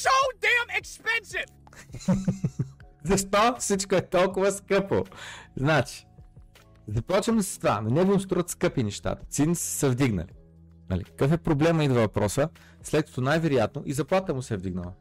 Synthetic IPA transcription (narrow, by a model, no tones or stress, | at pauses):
ʃoʊdɛ̃mɛkspɛ̃nsɪv̥ | zɐʃt̪ɔfsit͡ʃkoɛt̪ɔlˠkʊvəskɤpoznat͡ʃi̥ | zd̪ɐplˠɔt͡ʃəmd̪ɐsə̥st̪va̰nonɛb̪imʊst̪oɾət̪skɤpinɛʃt̪a̰t̪ə̥t̪sinisə̥səvd̪iɡnə̰li | nɐ̰lḭkə̥kɤfɛpɾoblɛməid̪vɐvɐpɾɔsə | slɛt̪̚kɐ̥t̪onajvɛɾʊjat̪noʔizɐplˠat̪əmʊsɛvd̪iɡnəlˠɐ̰